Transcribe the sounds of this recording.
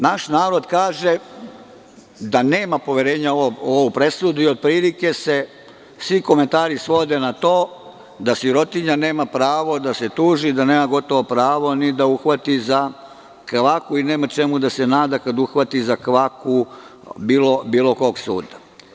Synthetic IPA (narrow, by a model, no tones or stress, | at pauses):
naʃnaːɾo̞d̪kaːʒe̞ | d̪ane̞ːmapo̞ʋje̞ɾe̞ːɲaoooʋupɾe̞sud̪uiod̪̚pɾiːlike̞se̞ | sʋiko̞ment̪aːɾisʋo̞d̪e̞nat̪o̞ː | d̪asiɾo̞t̪iɲane̞ːmapɾaːʋo̞d̪ase̞t̪uːʒid̪ane̞ːmaɡo̞t̪o̞ʋo̞pɾaːʋo̞nid̪auxʋat̪iza | kʋakuine̞ːmat͡ʃe̞mud̪ase̞naːd̪akad̪uxʋat̪izakʋakubiːlobiːlo̞ko̞ːɡsṵːd̪a